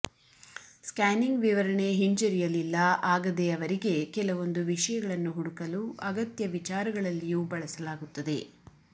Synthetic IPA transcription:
skaːniŋɡʋiʋɐɾɐɳe̞ɦiɲt͡ʃɐɾijɐlːilːɐʔaːɡɐd̪eɐʋɐɾiɡe̞kɛlɐʋo̞nd̪uʋiʂɐjɐɡɐɭɐnːuɦuɽukɐluːʔɐɡɐt̪jɐʋit͡ʃaːɾɐɡɐɭɐlːijuːbɐɭɐsɐlaːɡut̪ːɐd̪e̞

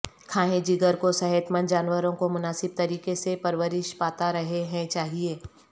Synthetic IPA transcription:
kʰaːɦẽd͡ʒiɡəɾkosɐɦɛt̪mənd͡ʒaːnwəɾõkomʊnaːsɪb̚t̪ɐɾiːkesepɐɾʋəɾɪʃpaːt̪aɾɐɦeɦɛ̃t͡ʃaːɦieː

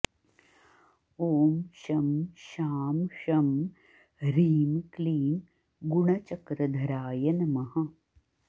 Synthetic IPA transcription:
oːmʃɐmʃaːmʃɐm | ɾiːnkliːŋ | ɡuɳɐt͡ʃɐkɾɐd̪ʱɐɾaːjɐnɐmɐɦɐ̆

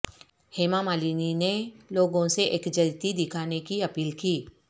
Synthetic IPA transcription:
heːmamaːliːnineloːɡõseʔeːkd͡ʒɐlt̪id̪ɪkʰaːnekiɐpiːlkiː

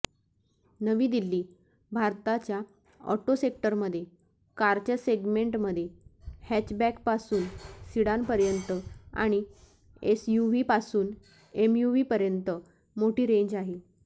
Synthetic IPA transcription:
nəʋiːd̪ilːiː | bʱaɾt̪at͡ɕja | ɔ̰ʈosekʈəɾməd̪ʱːje | kaɾt͡ɕaseɡmeɳʈməd̪ʱːjehæt͡ɕbækpasuːnsiɽanpəɾjənt̪əa̰ɽ̃i | esjuʋiːpasuːn | emjuʋiːpəɾjənt̪ə | moʈiːɾẽɲd͡ʑaɦe

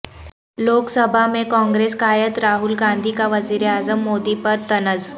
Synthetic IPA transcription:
loksəbʱamekɔ̃ŋɡɾeskajət̪ɾaɦulɡand̪ʱiːkaʋəd͡ziɾjad͡zəmːod̪ipəɾt̪ənəd͡z

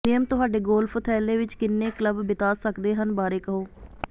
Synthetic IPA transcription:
ɪjəmt̪ʊɦaːɖeːɡoːlpʰʊt̪ʰɛːleːʋɪt͡ʃkɪnːeːkləbːɪt̪aːsəkd̪eːɦənbaːɾeːkəɦoː

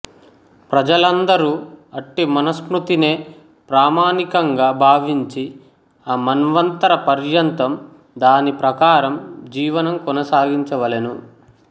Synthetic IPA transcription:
pɾɐd͡ʒɐlɐnd̪ɐɾuːɐʈːimɐnɐskɾut̪ine̞ː | pɾaːmaːnikɐŋɡaːbʱaːʋiɲt͡ʃi | aːmɐnʋɐnt̪ɐɾɐpɐɾjɐnt̪ɐm | d̪aːnipɾɐkaːɾɐmd͡ʒiːʋɐnɐmkɔnɐsaːɡiɲt͡ʃɐʋɐlenu

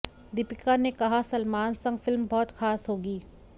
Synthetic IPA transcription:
d̪ɪpɪkanekɐɦasɐlmaːnsɐ̃ŋɡfɪlmbɔːt̪xaːsɦoːɡiː

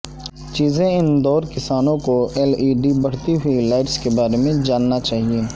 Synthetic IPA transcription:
t͡ʃiːzẽɪnd̪ɔːɾkɪsaːnõkoɛːliːɖibɐɽ̤t̪iɦʊilaːɪʈskebaːɾemẽd͡ʒaːnːat͡ʃaːɦieː

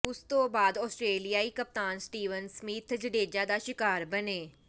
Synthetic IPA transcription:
ʊst̪õːbaːd̪ɔːsʈɾeːlijaːiːkəp̚t̪aːnsʈiːʋənsəmiːt̪ʰd͡ʒəɖeːd͡ʒaːd̪aːʃɪkaːɾbəneː

